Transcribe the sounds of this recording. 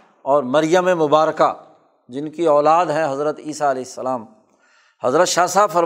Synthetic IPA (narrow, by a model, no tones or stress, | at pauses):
ɔːɾmɐɾjəmẽmʊbaːɾka | d͡ʒɪnkiɔːlaːd̪ɦɛ̃ɦɐzɾət̪iːsaɐleːɪsːəlaːm | hɐzɾət̪ʃaːsaːbfɐɾ